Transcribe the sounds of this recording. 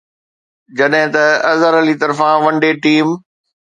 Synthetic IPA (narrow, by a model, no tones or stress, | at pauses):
d͡ʑɐɗɦɪ̃t̪ɐɐzəɾəlit̪ɐɾfãʋɐ̃ɳɖeʈiːm